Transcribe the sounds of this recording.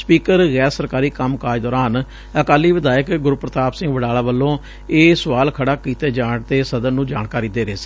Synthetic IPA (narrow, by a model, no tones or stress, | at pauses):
spiːkəɾɣɛːɾsəɾkaːɾiːkəmkaːd͡ʒd̪ɔːɾaːn | əkaːlːiːʋɪd̪aːjəkɡʊɾpɾət̪aːpsɪ̃ŋɡʋəɽaːlaːʋəlːõː | eːsəʋaːlkʰəɽaːkiːt̪eːd͡ʒaːɳt̪eːsəd̪ənnũːd͡ʒaːɳkaːɾiːd̪eːɾeːsi̥